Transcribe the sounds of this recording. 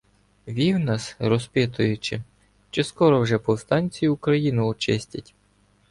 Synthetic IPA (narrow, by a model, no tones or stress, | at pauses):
ʋʲiwnɑsɾɔspʲɪt̪ʊjʊt͡ʃɪ | t͡ʃɛskɔɾɔwʒɛpɔwst̪ɑnʲt͡sʲijiʊkɾɐjinʊɔt͡ʃɪsʲtʲɐtʲ